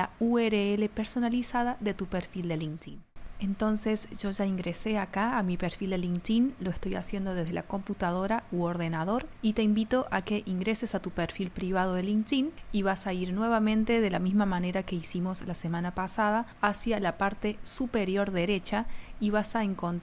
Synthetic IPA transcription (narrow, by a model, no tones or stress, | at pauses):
laueɾeele̞peɾso̞nalisaðaðe̞t̪upeɾfild̪eliŋt̪ine̞nt̪o̞nsesʒ̥o̞ʒaiŋɡɾese̞akaːmipeɾfild̪eliŋt̪inlo̞est̪o̞jasjend̪o̞ð̞ezðelʔa̰ko̞mput̪að̞o̞ɾauoɾð̞e̞nað̞o̞ɾit̪e̞imbit̪o̞ʔake̞ʔiŋɡɾe̞sesat̪upeɾfilpɾiβ̞að̞o̞ðeliŋt̪iniβasaiɾnwe̞β̞amẽ̞nt̪eðe̞lamizmamane̞ɾake̞isimo̞slasemãnapasað̞aːsjalapaɾt̪esupeɾjo̞ɾðe̞ɾe̞t͡ʃaiβasaeŋkont̪